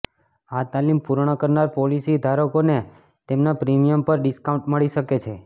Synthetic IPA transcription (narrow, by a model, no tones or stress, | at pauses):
at̪alimpuɾɳ̃əkəɾnaɾpɔlisid̪ʱaɾokone | t̪emnapɾimijəmpəɾɖiskawũɳʈməɭiʃəket͡ʃʰe